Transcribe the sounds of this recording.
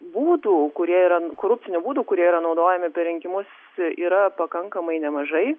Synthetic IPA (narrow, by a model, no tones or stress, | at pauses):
buːd̪uːkʊɾʲiɛiɾɐkoːɾʊpʲt͡s̪ʲɪnʲʊbuːd̪uːkʊɾʲiɛiɾɐnɒʊd̪oːjɛmʲɪpʲɛɾʲɪŋʲkʲɪmʊs | iːɾɐpɐkɐŋkɐmɐɪnʲɛmɐʒɐɪ